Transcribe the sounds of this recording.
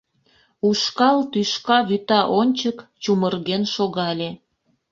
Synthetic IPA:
uʃkɑlt̪yʃkɑβyt̪ɑʔonʲt͡ɕəkt͡ɕumərɣenʃoɣɑlʲe

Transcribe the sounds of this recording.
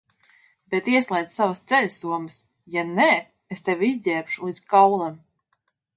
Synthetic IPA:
bet̪iɛslˠɛjd̪savɐst̪sɛlʲsuɔməs | janɛː | est̪evʲizɟʲɛːpʃulˠiːt̪skawlˠam

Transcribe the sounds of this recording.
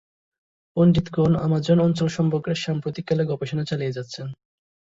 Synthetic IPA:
onɖit̪ɡona̰mad͡ʑonɔnt͡ɕolʃɔmpokɾeɾʃampɾot̪ikːaleɡɔpeʃonat͡ɕalijed͡ʑat̪ːɕʰen

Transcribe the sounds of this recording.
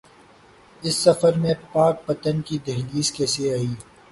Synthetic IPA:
ɪsːɐfəɾmẽpaːk̚pɐt̪ənkid̪eɦliːskeːseaːiː

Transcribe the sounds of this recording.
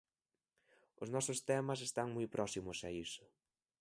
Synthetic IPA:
ʊznɔsʊst̪ɛmɐs̬est̪aŋmujpɾʔɔsimʊsɛisʊ̥

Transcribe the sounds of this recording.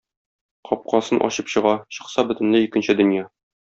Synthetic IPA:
qʰɒp̚qɑsɤnʔɒ̰ɕɤpɕɤ̆ʁɑɕɤ̆qsɑbɵ̆t̪ɘ̆nlɘikɘ̆nɕɘd̪ɵ̆njɑ

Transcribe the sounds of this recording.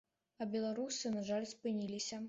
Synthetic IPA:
ɐbʲɛlˠaɾusɨnaʐalʲspɨnʲilʲisʲɐ

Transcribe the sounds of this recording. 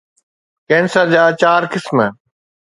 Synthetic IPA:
kẽːnsad͡ʑaːt͡ɕaːɾkɪsmə

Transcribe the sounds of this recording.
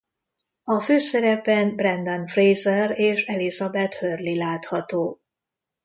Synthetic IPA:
ɒføːsɛɾɛpɛnbrɛnd̪ɒnfrejzɛreːʃɛlizɒbɛt̪hørlilaːt̪hɒt̪oː

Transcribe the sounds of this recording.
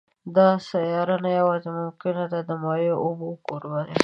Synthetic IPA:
d̪ɑsajɑɾanajawɑzemʊmkɪnad̪ad̪əmɑjoʔʊbokoɾbane

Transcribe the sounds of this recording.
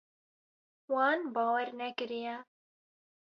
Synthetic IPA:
wɑːnbɑːwɛɾnɛkɨɾijɛ

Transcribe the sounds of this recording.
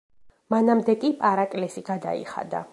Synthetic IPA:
manamd̪ɛkʼipʼaɾakʼlɛsiɡad̪a̰ḭχa̰d̪a̰

